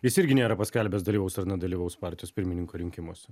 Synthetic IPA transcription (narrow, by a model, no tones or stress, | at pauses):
jɪsɪɾʲɡʲɪnʲeːɾɐpɐsʲkʲɛlʲbʲɛsd̪ɐlʲiːʋʊsɐɾnʲɛd̪ɐlʲiːʋɐʊspɑˑɾʲt̪ʲɪjoːspʲɪɾʲmʲɪnʲɪŋkoːɾʲɪŋʲkʲɪmoːsʲɛ